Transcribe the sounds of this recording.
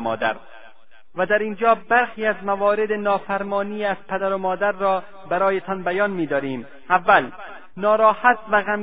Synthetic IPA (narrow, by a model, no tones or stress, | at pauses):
mɒ̰ːd̪æ̰ɾ | væd̪æɾiːnd͡ʒɒːbæɾxiːæzmævɒːɾed̪enɒːfæɾmɒːniːæz̥pʰæd̪æɾomɒːd̪æɾːɒː | bæɾɒːjet̪ʰɒnbæjɒːnmiːd̪ɒːɾiːm | ævːæl | nɒːɾɒːhæt̪væɣæm